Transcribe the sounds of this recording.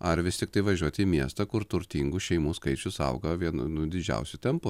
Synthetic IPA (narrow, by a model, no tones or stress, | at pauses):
ɐɾʋʲɪsʲt̪ʲɪkt̪ɐɪʋɐʒʲuɔt̪ʲiːmʲiɛst̪ɐkʊɾt̪ʊɾʲt̪ʲiŋɡʊʃʲɛɪmuːskɐɪt͡ʃʲʊsɐ̰ʊɡɐʋʲiɛnnʊd̪ʲɪd͡ʒʲɛ̰ʊsʲʊt̪ʲɛmpʊ